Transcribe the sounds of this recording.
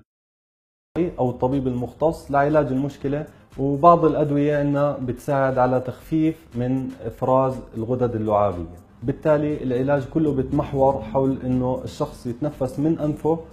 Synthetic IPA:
ʔiʔawɨt̪ˤːɑbiːbɪlmʊxt̪ɑsˤːlɪʕɪlaːd͡ʒɪlmʊʃkɪle | wbɑʕd̪ˤɪlʔad̪wɪjaʔɪnːhabɪt̪saːʕɪd̪ʕalat̪axfiːfmɪnʔɪfɾɑːzɪlɣʊd̪ad̪ɪlːʊʕaːbɪ̰jːa | bɪt̪ːaːliɪlʕɪlaːd͡ʒkʊlːʊbɪt̪maħwɑɾˤħawlʔɪnːʊʔɪʃːɑxsˤjɪt̪nafːasmɪnʔanfʊ

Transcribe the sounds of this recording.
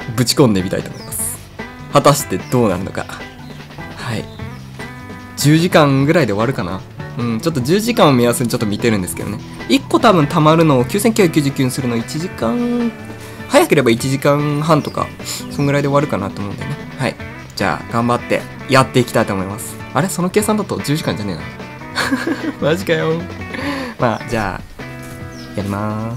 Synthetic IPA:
bɯ̟t͡ɕi̥kõnd̪e̞mʲit̪a̰it̪omo̰imasɨ̥ | hat̪aɕi̥t̪e̞d̪o̞ːna̰ɾɯ̟no̞̰ka̰ | haḭ | d͡ʑɨːʑikãŋɡɯ̟ɾaid̪e̞o̞βaɾɯ̟kana̰ | ɯ̟̃ɴt͡ɕo̞t̪ːo̞ʑɨːʑikãɰ̃omʲiasɨɲit͡ɕo̞t̪ːo̞mʲit̪e̞ɾɯ̟̃nd̪e̞sɨ̥ke̞d̪one | ikːo̞t̪abɯ̟̃nt̪amaɾɯ̟no̞ːkʲɨːs̬eŋkʲɨ̟hak̟ʲjɨːʑɨkʲjiɨ̃sɨɾɯ̟no̞ːit͡ɕiʑikãŋ | hajake̞ɾe̞bait͡ɕiʑikãɰ̃ɦãnt̪oka̰ | soŋɡɯ̟ɾaid̪e̞βaɾɯ̟kanat̪oːmo̞ɯ̃nd̪ene | haḭ | d͡ʑa̰ːɡ̥ãmbat̪ːe̞̰ | jat̪ːe̞ikʲi̥t̪ait̪oːmo̞imasɨ̥ | aɾe̞so̞no̞ke̞ːsãnd̪at̪o̞d͡ʑɨːʑikãɲd͡ʑane̞̰ːna̰nd̪e | maʑikajo | ma̰ːd͡ʑa̰ː | ijaɾʲimas

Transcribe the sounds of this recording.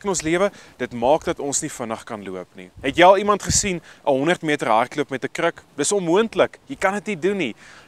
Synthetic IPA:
kənɔnsliəvəd̥ətmɑːkdɐtɔnsnifənəχkɐnluəpnḭɦɛtjəɐlˠimɐntχəsinʔəɦɔndərtmitərɦɐrtluəpmɛtəkrəkd̥əsɔnmuəntləkjəkɐnətniduni

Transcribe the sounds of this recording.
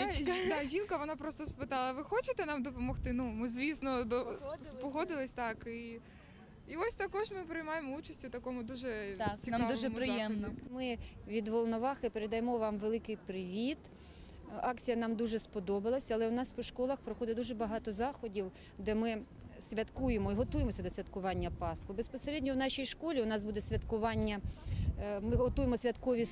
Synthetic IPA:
d̪ɑʒʲinkɐʋɔnɑpɾɔst̪ɔspɪt̪ɑlˠɐʋɪxɔt͡ʃet̪ɛnɑmd̪ɔpɔmɔxt̪ɪnumɪzʲʋʲisnɔd̪ɔspɔɦɔd̪ɪlˠɪsʲt̪ɑki | iɔsʲt̪ɐkɔʒmɪpɾɪjmɑjemɔut͡ʃɐsʲtʲʊt̪ɐkɔmʊd̪uʒɛt̪ksʲinmd̪uʒɛmpɾɪjɛmnɔmɪʋʲid̪ʋɔlˠnɔʋɑxɪpeɾed̪ɐjemɔʋɑmʋelˠɪkɪjpɾɪʋʲit̪ | ɑkt͡sʲijɐnɑmd̪uʒɛspɔd̪ɔbɪlˠɐsʲɐlˠɛʊnɑspɔʃkɔlˠɐxpɾɔxɔd̪ɛd̪uʒɛbɐɦɑt̪ɔzɑxɔdʲiw | d̪ɛmɪ | sʲʋʲɐt̪kujemɔiɦɔt̪ujemɔsʲɐd̪ɔsʲʋʲɐt̪kʊʋɑnʲːɐpɑskʊbespɔseɾʲɛdʲnʲɔwnɑʃijʃkɔlʲiʊnɑsbud̪ɛsʲʋʲɐt̪kʊʋɑnʲːɐ | mɪɦɔt̪ujemɔsʲʋʲɐt̪kɔʋʲi

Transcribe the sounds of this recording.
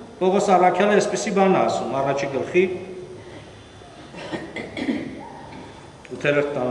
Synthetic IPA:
pʰɔʁɔsɑrɑkʰjɑlɛːspisibɑnɑːsumɑrɑt͡ʃʰiɡəlχi | ut̪ʰɛlɛɾt̪ːɑ

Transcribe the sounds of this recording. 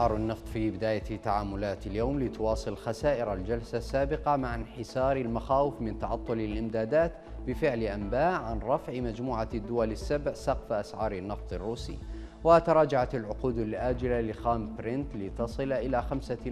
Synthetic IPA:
ʕɑːɾˤanːɑft̪ˤfibɪd̪aːjat̪ːaʕaːmʊlaːt̪aljowmlɪt̪ʊwɑːsˤɨlxasaːʔɪɾald͡ʒalsasːaːbɪqɑmaʕanħɪsɑːɾˤalmaxaːwɪfmɪnt̪ɑʕɑt̪ˤːʊlalʔɪmd̪aːd̪aːt̪ | bɪfɪʕlʔambaːʔʕanɾˤɑfʕɪmad͡ʒmuːʕad̪ːʊwalasːabʕsɑqfʔasʕɑːɾˤɪnːɑft̪ˤɑrːuːsḭː | wat̪ɑɾˤɑːd͡ʒaʕat̪alʕʊquːd̪alʔaːd͡ʒɪlalɪxaːmpɾɪnt̪lɪt̪ɑsˤɨlʔɪlaxamsa

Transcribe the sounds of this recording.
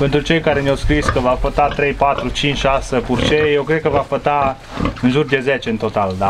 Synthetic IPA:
pe̞nt̪ɾut͡ʃejkaɾe̞neawskɾiskəvafət̪at̪ɾe̞jpat̪ɾut͡ʃint͡ʃʃasəpurt͡ʃejewkɾed̪̚kəvafət̪a | ɨnʒurd̪e̞zet͡ʃe̞ɨnt̪o̞t̪ald̪a

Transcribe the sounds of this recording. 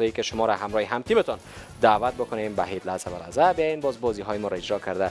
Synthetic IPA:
ɒjikeʃomɒɾaɦamɾɒːheɦamt̪ʰimet̪ʰɒn | d̪aːvat̪̚bokonembaɦeb̪laz̥aba̰la̰zæbejjenbɒːzbɒziɦɒːjemɔɾɔed͡ʒɾɒkʰaɾd̪a

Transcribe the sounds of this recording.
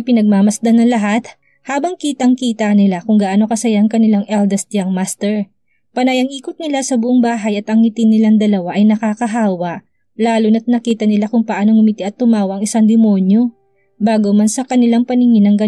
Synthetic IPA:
pɪnɐɡ̚mamɐsd̪anɐŋlɐɦat̪ | haːbɐŋkiːt̪ɐʔŋkiːt̪ɐnɪlakʊŋɡaʔaːno̞kɐsɐjaʔɐŋkɐnɪlaŋʔɛld̪ɛst̪jaŋmast̪ɛɹ | pɐnajɐŋʔiːkot̪̚nɪlasɐbʊʔoŋbaːɦɐjɐt̪ɐŋːɪt̪ɪnːɪlaŋd̪ɐlɐwaʔɐjnɐkaːkɐɦaːwɐʔ | laːlonɐt̪̚nɐkiːt̪ɐnɪlakʊŋpɐʔaːno̞ŋʊmɪt̪ɪʔɐt̪ːʊmaːwɐʔɐŋɪsaŋd̪ɪmo̞njo̞ | baːɡomansɐkɐnɪlaŋpɐnɪŋɪnɐŋɡɐ

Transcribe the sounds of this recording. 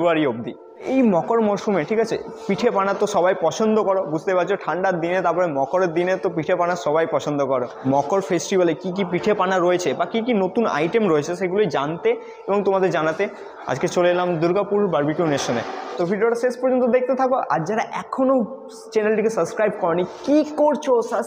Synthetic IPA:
aɾiob̚d̪i | ejmɔkoɾmɔʃumeʈʰikat͡ɕʰḛ | piʈʰepanat̪ːoʃɔβajpɔt͡ɕʰond̪okɔɾobud͡ʑʱt̪epat͡ɕʰoʈʰaɳɖaɾd̪inet̪aɾpɔɾemɔkoɾeɾd̪inet̪opiʈʰepanaʃɔbajpɔt͡ɕʰond̪okɔɾomɔkoɾfesʈibalekik̬ipiʈʰepanaɾoet͡ɕʰebakik̬inot̪una̰jʈemɾoet͡ɕʰeʃeɡulojd͡ʑant̪e | eboŋt̪omad̪eɾd͡ʑanat̪e | a̰d͡ʑket͡ɕolelamd̪uɾɡapuɾbaɾbikewneʃonet̪ofiɖoɾaʃeʃpɔɾd͡ʑont̪od̪ek̚ʰt̪et̪ʰakoʔa̰ɾd͡ʑaɾaʔɛkʰono | t͡ɕenalʈikesəbskɾajb̚kɔɾnikikoɾt͡ɕʰosə

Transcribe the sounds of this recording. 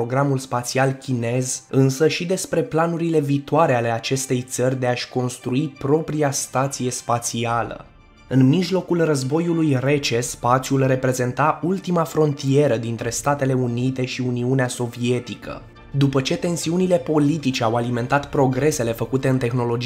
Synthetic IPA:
oɡɾamulspat̪sialkʲine̞zɨnsəʃid̪e̞spɾe̞planuɾile̞viːt̪oaɾe̞ale̞at͡ʃe̞st̪e̞jt̪sərʲd̪e̞aʃʲko̞nst̪ɾuipɾo̞pɾiast̪at̪sije̞spat̪sialə̰ | ɨnmiʒlo̞kulrəzbo̞julujre̞t͡ʃe̞spat̪siulre̞pɾe̞ze̞nt̪aʔult̪imafɾo̞nt̪ie̞ɾəd̪int̪ɾe̞st̪at̪e̞le̞unit̪e̞ʃiuniuneaso̞vie̞t̪ikə̰ | d̪upət͡ʃe̞t̪e̞nsiunile̞po̞lit̪it͡ʃeawalime̞nt̪at̪pɾo̞ɡɾe̞se̞le̞fəkut̪e̞ɨnt̪e̞xno̞lo̞d͡ʒ

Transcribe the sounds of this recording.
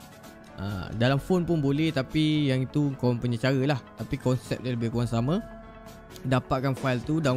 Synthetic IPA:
ʔa̰dalamfonpʊnbolɛht̪apijaŋit̪ukoaŋpuɲat͡ʃaɾəlaht̪apikɔnsɛ̰p̚daləbɪhkuɾaŋsamã | dapaʔ̪̚kanfajlt̪uda

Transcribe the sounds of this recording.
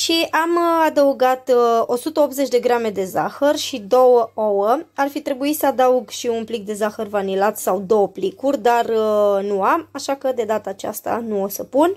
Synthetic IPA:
ʃiʔamad̪əuɡat̪o̞sut̪əo̞pze̞t͡ʃʲd̪e̞ɡɾame̞d̪e̞zaxərʃid̪o̞wəowəarfit̪ɾe̞buisəad̪auɡʃiunplik̚d̪e̞zaxərvanilat̪sawd̪o̞wəplikurʲd̪arnuamaʃakəd̪e̞d̪at̪aːt͡ʃa̰st̪a̰nuo̞səpun

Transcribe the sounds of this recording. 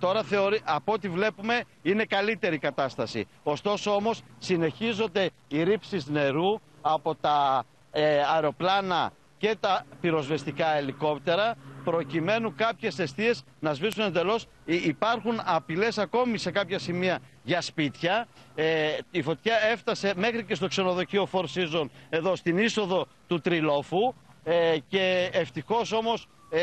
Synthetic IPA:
t̪o̞ɾɐθe̞o̞ɾiʔɐpoot̪ivle̞pume̞ | ine̞kɐlit̪e̞ɾikɐt̪ɐst̪ɐsḭ | o̞st̪o̞soo̞mo̞sːine̞çizo̞nd̪e̞ | iɾipsizne̞ɾu | ɐpo̞t̪ɐ | ɾeo̞plɐnɐ | ce̞t̪ɐpiɾo̞zve̞st̪ikɐeliko̞pt̪e̞ɾɐpɾo̞cime̞nuŋkɐpçe̞se̞st̪ie̞z | nɐzvisune̞nd̪e̞lo̞s | ipɐɾxunɐpile̞sɐko̞mise̞kɐpçɐsimiɐ | ʝɐspit̪çɐ | ifo̞t̪çɐe̞ft̪ɐse̞me̞xɾicest̪o̞kse̞no̞ðo̞cio̞fo̞ɾsizo̞ne̞ðo̞st̪iniso̞ðo̞ | t̪ut̪ɾilo̞fu | ce̞ːft̪ixo̞so̞mo̞s

